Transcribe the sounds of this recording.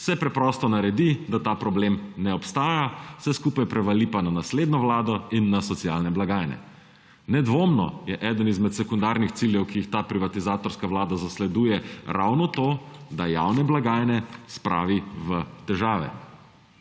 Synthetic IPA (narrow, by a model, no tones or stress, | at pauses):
wsɛpɾɛpɾɔːst̪ɔnaɾɛd̪id̪at̪aːpɾɔbleːmnɛɔpst̪aːjawsɛskupajpɾɛʋalipananasleːd̪nɔʋlaːd̪ɔinːasɔt̪sijalnɛblaɡaːjnɛ̰ | nɛd̪ʋoːmnɔ̰jɛʔɛːd̪ənizmɛt̪sɛkund̪aɾnixt̪siljɛwkijixt̪aːpɾiʋat̪izaːt̪ɔɾskaʋlaːd̪azaslɛd̪uːjɛɾa̰wnɔt̪oːd̪aja̰wnɛblaɡaːjnɛspɾʔa̰ːʋiʋət̪ɛʒaːʋɛ̰